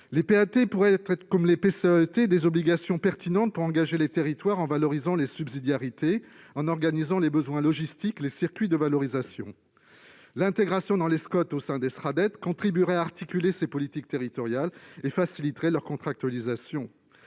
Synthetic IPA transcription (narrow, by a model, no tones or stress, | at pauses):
lepeat̪epuʁɛɛt̪ɛtkɔmlepeset̪ed̪ezɔbliɡasjɔ̃pɛʁt̪inɑ̃t̪̚puʁɑ̃ɡaʒelet̪eʁit̪waʁɑ̃valɔʁizɑ̃lesybzid̪jaʁit̪e | ɑ̃nɔʁɡanizɑ̃lebəzwɛ̃lɔʒist̪iklesiʁkʲɥid̪əvalɔʁizasjɔ̰̃ | lɛ̃t̪eɡʁasjɔ̃d̪ɑ̃leskɔt̪osɛ̃d̪esχad̪ɛt̪kɔ̃t̪χibyʁɛaaʁt̪ikʲylesepɔlit̪ik̚t̪eʁit̪ɔʁjalefasilit̪ʁɛlœʁkɔ̃t̪χak̚t̪ɥalizasjɔ̃